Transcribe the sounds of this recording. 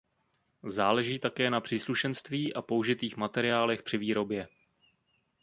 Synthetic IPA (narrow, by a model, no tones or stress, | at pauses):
zaːlɛʒiːt̪akɛːnapr̥iːsluʃɛnst̪viːʔapouʒɪt̪iːxmat̪ɛɾɪaːlɛxpr̝̥ɪviːɾo̞bjɛ